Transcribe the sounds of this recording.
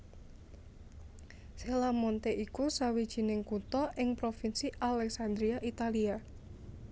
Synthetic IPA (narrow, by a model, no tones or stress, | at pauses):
selamɔnt̪eʔikusawid̥ʒ̥i̤nɪŋkut̪ɔʔɪŋpɾofinsiʔalɛksand̪ɾiaʔit̪alia